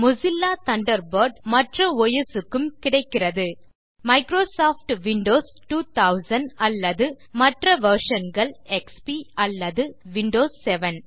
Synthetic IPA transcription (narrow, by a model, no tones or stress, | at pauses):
mʊsɪlːaːt̪ɐɳɖɐɾbɐɾɖmɐʈrɐɔjɐsɯkːɯmkɪɽɐɪkːɪrɐðɯ | mɐɪkɾoːsaːfʈʋɪɳɖoːs | ʈuːt̪ɐʊsɐnɐlːɐðɯ | mɐʈrɐʋɐɾʂɐnɡɐɭɛkspiɐlːɐðɯʋɪɳɖoːsːɛʋɐn